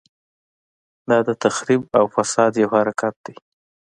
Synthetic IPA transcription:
d̪ɑd̪ət̪axɾibawfasɑd̪jawhaɾakat̪̚d̪ej

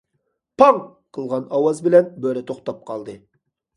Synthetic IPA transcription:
pʰɑŋ | qʰəlˠʁɑnɑwɑzbɪlɛnbøɾɛt̪ʰoχt̪ɑp̚qʰɑlˠd̪ɨ

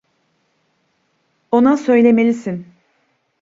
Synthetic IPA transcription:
o̞nasø̞jlʲe̞melʲisin

